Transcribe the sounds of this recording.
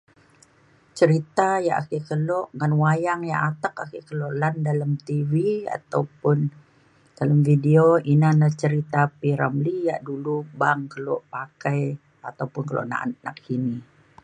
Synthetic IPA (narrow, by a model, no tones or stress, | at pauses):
t͡ʃəɾit̪aja̰ʔa̰kikəlɔʔŋanwajaŋjaʔat̪akakikəloʔlandalamt̪ivia̰t̪a̰wpʊn | d̥alamfideoinanaht͡ʃəɾit̪apiɾa̰mlija̰ʔdulubaŋkəlɔʔpakaj | at̪awpʊnkəlo̰ʔna̰ʔna̰k̚ini